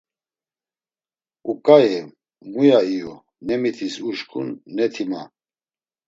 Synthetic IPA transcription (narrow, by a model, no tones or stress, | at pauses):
ukʼajɛ | mujaijɔ | nɛmit̪ʰisuʃkʰʼṵnːɛt̪ʰima